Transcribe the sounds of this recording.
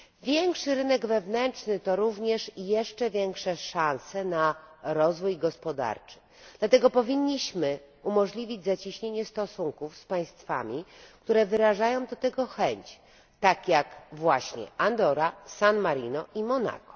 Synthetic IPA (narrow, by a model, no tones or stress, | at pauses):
vʲjɛŋkʂɘɾɘnɛɡvɛvnɛnt͡ʂnɘt̪ɔɾuvɲɛʂjɛʂt͡ʂɛvʲjɛŋkʂɛʂansɛnaɾɔzvujɡɔspɔd̪a̰ɾt͡ʂɘ̥ | d̪̥lat̪ɛɡɔpɔvʲiɲːiɕmɘ | umɔʐlʲivʲid͡ʑzat͡ɕiɕɲeɲɛst̪ɔsuŋkufspaj̃st̪fa̰mʲikt̪uɾɛvɘɾaʐajɔ̃w̃d̪ɔt̪ɛɡɔxɛɲt͡ɕ | t̪akjakvwaɕɲɛ̰ʔand̪ɔɾasanmaɾinɔʔimɔna̰kɔ̥